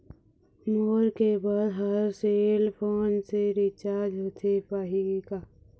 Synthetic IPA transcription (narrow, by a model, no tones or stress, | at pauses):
moːɾkebaːd̪ɦəɾseːlpʰoːnseɾɪt͡ʃaːɾd͡ʒɦoːt̪ʰepaːɦika